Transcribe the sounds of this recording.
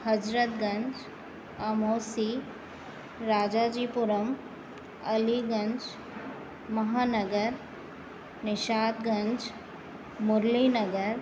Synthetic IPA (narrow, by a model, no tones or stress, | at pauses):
hɐd͡ʒɾət̪ɡɐ̃ɲd͡ʒ | ɐmoːsi | ɾaːd͡ʒaːd͡ʒiːpʊɾəm | ɐliɡɐ̃nd͡ʒ | mɐɦaːnəɡəɾ | nɪʃaːt̪ɡɐ̃nd͡ʒ | mʊɾlinɐɡəɾ